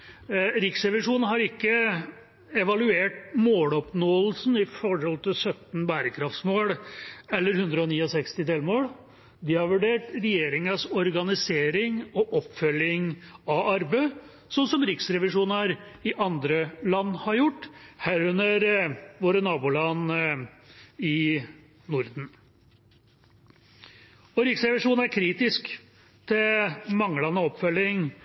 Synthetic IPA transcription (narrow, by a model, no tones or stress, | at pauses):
ɾɪksɾɛʋɪʂuːnnhɑɾɪkːə | ɛʋɑlʉeːʈmoːlɔpnoːəlsn̩ɪfɔɾhɔlt̪ʰɪlsœt̪n̩bæːɾəkʰɾɑft̪smoːɽɛlːəɾhʉnd̪ɾəɔniːɔsɛkst̪ɪd̪elmoːɽ | d̪ɪhɑɾʋʉɖeːʈɾɛjeːɾɪŋəsɔɾɡɑnɪseːɾɪŋɔʔɔpːfœljɪŋɑʔɑɾbə | sɔnsɔmɾɪksɾɛʋɪʂuːnəɾɪʔɑnd̪ɾəlɑnːhɑɾjʊʈːhæːɾʉnːəɾʋoːɾənɑːbuːlɑn | ɪ | nʊɾd̪n̩ | ɔɾɪksɾɛʋɪʂuːnæɾkʰɾiːt̪ɪsk | t̪ʰɪlmɑŋːlɑnəɔpfœlːɪŋ